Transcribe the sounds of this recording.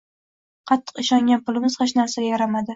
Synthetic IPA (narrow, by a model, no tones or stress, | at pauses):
qʰɑt̪ʰːɨ̥qɪʃɒŋʲanpʊlˠɪmɪz̥χɑʃnasajaɾamad̪ɪ